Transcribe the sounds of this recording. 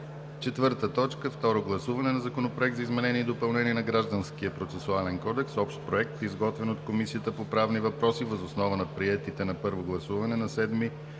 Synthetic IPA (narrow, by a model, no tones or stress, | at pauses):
t͡ʃɛt̪vɤɾt̪ət̪ɔt͡ʃkəft̪ɔɾoɡlˠɐsuvɐnɛnɐzɐkonopɾoɛk̚t̪zɐizmɛnɛniːd̪opɐlˠnɛniɛnɐɡɾaʒd̪ənskiəpɾot̪sɛsualɛnkɔd̪ɛksɔpʃt̪̚pɾoɛk̚t̪izɡɔt̪vɛnot̪komisijət̪əpopɾavnivɐpɾɔsivəzosnɔvənɐpɾiɛt̪it̪ɛnɐpɤɾvoɡlˠɐsuvɐnɛnɐsɛd̪mi